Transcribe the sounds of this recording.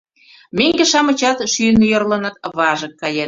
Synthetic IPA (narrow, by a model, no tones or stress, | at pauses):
meŋɡeʃɑmə̆t͡ɕɑt̪ʃynjŏrlə̆nə̆t̪βɑʒə̆kːɑjen